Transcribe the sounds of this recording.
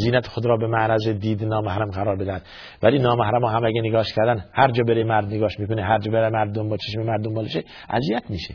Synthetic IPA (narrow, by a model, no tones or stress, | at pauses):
ziːnæt̪ʰe̥xod̪ɾɒːbemæʔnæzed̪iːd̪enɒːmæhɾæmɡæɾɒːɾbed̪æhæd̪ | væliːnɒːmæhɾæmɒːɦæmæɡeneɡɒːʃkʰæɾd̪ænhæɾd͡ʒɒːbeɾemæɾd̪neɡɒːʃmiːkoneɦæɾd͡ʒɒːbeɾemæɾd̪ombɒt͡ʃʰeʃmemæɾd̪ombɒːleʃe | ʔæ̰zijæt̪ʰmiːʃe